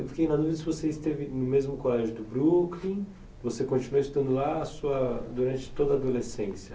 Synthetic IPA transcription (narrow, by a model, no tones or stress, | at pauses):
ewfi̥kejnɐd̪uvid̪ɐsɪvoseist̪evɪnʊmezmʊkoɾaʒʊd̪ʊbɾuklĩ | vosekõnt͡ʃinuɐist̪ud̪ɐ̃nd̪ʊlaːsuɐd̪uɾɐ̃nt͡ʃɪ̥t̪od̪ɐːd̪olesẽsjɐ